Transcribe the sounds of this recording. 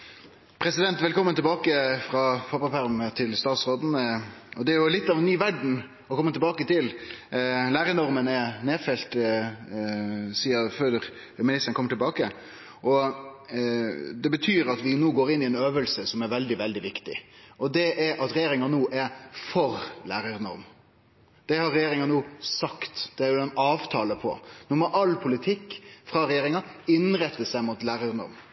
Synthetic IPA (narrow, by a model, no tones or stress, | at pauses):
pʰɾɛsɪd̪ɛnt̪ʋɛlkʰɔmːənt̪ʰɛlbɑːkəfɾɑfɑpɑpæɾmət̪ʰɪlst̪ɑːt̪sʁoːd̪n̩ɔd̪ɛæɾjʊlɪt̪ːɑʋɛnːyːʋæɖɳ̩ | ɔkʰɔmːət̪ɛlbɑːkət̪ɪl | læːɾənɔʁmənɛneːfɛlt̪ | siːɑføːɾ | mɪnɪst̪əɾnkʰɔmːəʈɪlbɑːkə | ʔɔ | d̪ɛbət̪ʰyːɾɑt̪ʋɪnuːɡoːɾɪnːɪɛnøːʋəlsəsɔmæɾʋɛld̪ɪʋɛld̪ɪʋɪkt̪ɪ̰ʔɔd̪ɛʔɛɾʔɑt̪ɾɛjeːɾɪŋɑnuːʔæɾfɔɾlæːɾəɾnɔ̰m | d̪̥ɛhɑɾɛjeːɾɪŋɑnuːsɑkt̪d̪̥ɛæɾjʊɛnɑːʋt̪ʰɑːləpʰɔ̰nuːmɔʔɑlpʰʊlɪt̪ʰɪkːfɾɑːɾɛjeːɾɪŋɑɪnɾɛt̪ːəsæɪmʊt̪læːɾəɾnɔ̰m